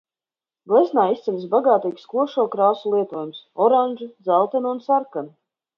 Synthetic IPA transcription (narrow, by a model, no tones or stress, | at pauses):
ɡlˠɛznaːist̪sɛnsbaɡaːt̪iːkskuɔʃuɔkɾaːsulˠiɛt̪uɔjumsɔɾanʲʒud̪zalˠt̪ɛnunsaɾkanu